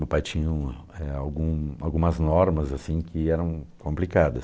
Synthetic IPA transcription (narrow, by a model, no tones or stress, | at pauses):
mewpajt͡ʃĩɲɐ̃ | ɛawɡũa̰wɡũmɐznɔɾmɐzasĩkʰɪɛɾɐ̃w̃kõmplikad̪ɐs